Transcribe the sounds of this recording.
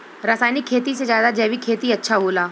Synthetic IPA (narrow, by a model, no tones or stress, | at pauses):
ɾaːsaːjnikʰːeːt̪ised͡ʒjaːd̪ad͡ʒɛːʋikʰeːt̪iɐtːʃʰaɦoːlaː